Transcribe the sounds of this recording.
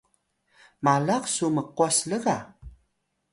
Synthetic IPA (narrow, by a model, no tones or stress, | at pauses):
malaqsuməquasləɣa